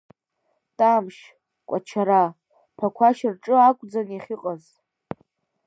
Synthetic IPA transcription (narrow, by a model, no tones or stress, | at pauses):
tʼamʃ | kʷʼat͡ʃʰaɾa | pʰakʷʰaʃɪrʈ͡ʂʼɨakʷʼd͡zaniχʲiqʼaz